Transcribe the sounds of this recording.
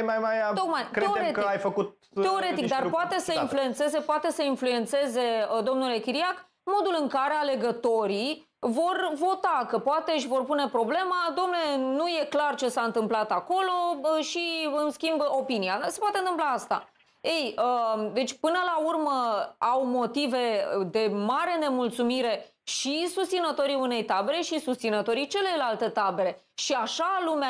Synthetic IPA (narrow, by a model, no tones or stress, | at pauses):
jmajmajt̪ok̚majkɾeeoeɾetkəiajfəkut̪̚ | e̞o̞ɾe̞t̪ik̚d̪arpoat̪e̞səinflue̞nt̪se̞ze̞poat̪e̞səinflue̞nt̪se̞ze̞əd̪o̞mnule̞kʲiɾiak | mo̞d̪ulɨŋkaɾe̞ale̞ɡət̪o̞ɾi | vo̞rvo̞t̪akəpoat̪e̞ɨʃvo̞rpune̞pɾo̞ble̞mad̪omnlenuje̞klart͡ʃe̞saɨnt̪ɨmplat̪ako̞lo̞ʃiɨnskʲimbo̞piniase̞pwat̪eɨnt̪ɨmplaast̪a̰ | ejəd̪e̞t͡ʃʲpɨnəlaurməawmo̞t̪ive̞d̪e̞maɾe̞ne̞mult̪sumiɾe̞ | ʃisust̪sinət̪o̞ɾiune̞jt̪abe̞ɾe̞ʃisust̪sinət̪o̞ɾit͡ʃe̞le̞jlalt̪e̞t̪abe̞ɾe̞ʃiaʃalumea